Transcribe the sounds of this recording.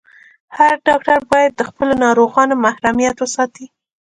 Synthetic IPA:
haɾɖɑkʈaɾbɑjad̪ːəxpəlonɑɾoɣɑnomahɾamijat̪wəsɑt̪i

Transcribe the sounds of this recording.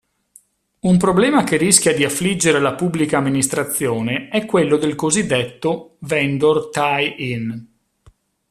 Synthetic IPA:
umpɾoblɛːmakeriskʲjad̪iafːlid͡ʒːeɾelapubːlikaːmːinist̪ɾat̪sːjoːneɛkːwelːod̪elkozid̪ːet̪ːovɛnd̪ort̪ajin

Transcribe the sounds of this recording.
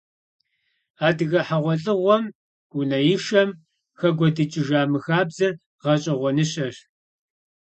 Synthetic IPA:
aːdɨɣɐħaʁʷɔɬʼɨʁʷɔm | ɡunɐjɪʃɐm | xɐɡʷɔdɨt͡ʃʼɪʒaːmɨxaːbzɐ | ʁɐɕʼɐʁʷɔnɨɕʼɐr

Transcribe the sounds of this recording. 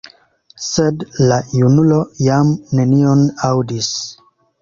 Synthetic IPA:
sedlajunulo̞jamne̞nionawdis

